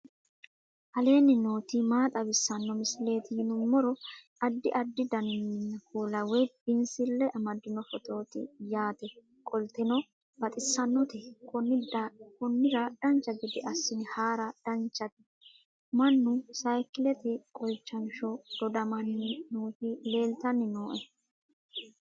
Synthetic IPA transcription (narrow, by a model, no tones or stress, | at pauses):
ʔɐle̞ːnɪnoːt̪imaːt̪ʼɐβɪsːɐnːɔmɪsle̞ːt̪ɪhɪnʊmːɔɾɔʔɐd̪ːɪʔɐd̪ːɪd̪ɐnɪnːɐkuːlɐwɛjbɪnsɪlːɛʔɐmɐd̪ːɪnɔfɔt̪o̞ːt̪ɪ̰jaːt̪ɛ | kʼɔlt̪ɛnɔ | b̥ɐt̪ʼɪsːɐnːɔt̪ɪkɔnːɪdkɔnːɪɾɐd̪̥ɐnt͡ʃːɐɡɪd̪ɪʔɐsːɪnɪhaːɾɐd̪̥ɐnt͡ʃːɐt̪ɪ̥ | mɐnːʊsɐjkɪlɛt̪ɪkʼɔjt͡ʃːɐnʃɔd̪̥ɔd̪ɐmɐnːɪnuːt̪ɪle̞ːlt̪ɐnːɪnoːʔɛ